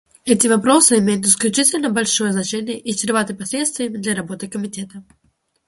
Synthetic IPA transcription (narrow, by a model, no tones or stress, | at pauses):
ɛtʲɪvɐpɾo̞sɨɪmʲejʊt̪ɪsklʲʉt͡ɕitʲɪlʲnəbɐlʲʂojəznɐt͡ɕenʲɪjəʔɪsʲɾʲɪvat̪ɨpɐsʲlʲe̞t̪st̪vʲɪjəmʲɪd̪lʲɐɾɐbo̞t̪ɨkəmʲɪtʲe̞t̪ə